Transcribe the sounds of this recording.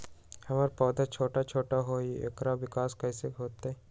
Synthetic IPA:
hɐmaːɾpɔːd̪at͡ʃʰoːʈat͡ʃʰoːʈaɦoːḛkɾaʋɪkaːskɐːseɦoːt̪eɛ

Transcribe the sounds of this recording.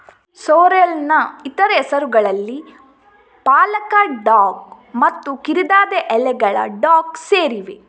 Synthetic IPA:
soːɾelnɐit̪ɐɾɐɛsɐɾuɡɐɭɐlːi | paːlɐkɐɖaːɡ̚ | mɐt̪ːukiɾid̪aːd̪eʔɛlɛɡɐɭɐ̰ɖaːkseːɾiʋe

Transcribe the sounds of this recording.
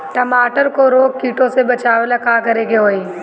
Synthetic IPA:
ʈɐmaːʈəɾkoɾoːkkiːʈõsebɐt͡ʃaːʋelɐkakɐɾeɡeɦoːiː

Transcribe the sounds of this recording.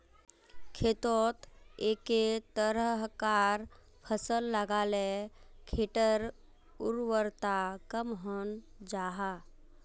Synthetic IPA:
kʰet̪ɔːt̪eːket̪əɾəɦkaːɾ | pʰəsəlːəɡaːlekʰeʈəɾ | ʊɾwəɾt̪akəmɦən | d͡ʒaːɦa

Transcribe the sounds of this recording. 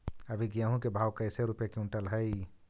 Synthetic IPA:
əbʱiɡijaɦũkebʱawkəɪseɾupjakeũɳʈəlɦəj

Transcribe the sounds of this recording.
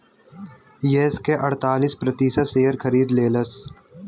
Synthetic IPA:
jeːskeʔɐɽ̤t̪aːlispɾɐt̪iːsəseːəɾkʰɐɾiːd̪leːləs

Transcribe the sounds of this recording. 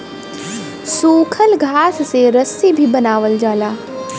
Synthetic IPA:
suːkʰəlɡʱaːsseɾəsibʱibɐnaːʋəld͡ʒaːlaː

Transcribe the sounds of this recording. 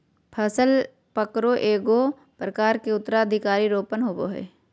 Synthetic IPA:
pʰəsəl | pəkɾoʔeːɡo | pɾəkaːɾkeʊt̪ːəɾaəd̪ʱɪkaːɾiɾoːpənɦoːboɦɛ̰ː

